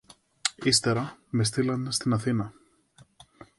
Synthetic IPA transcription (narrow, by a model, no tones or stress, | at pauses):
ist̪eɾɐmest̪ilɐnd̪st̪inɐθinɐ